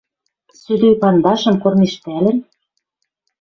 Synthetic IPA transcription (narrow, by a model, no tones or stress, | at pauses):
syd̪ejpɑnd̪ɑʃɤ̆mkormeʃt̪ælɘ̆n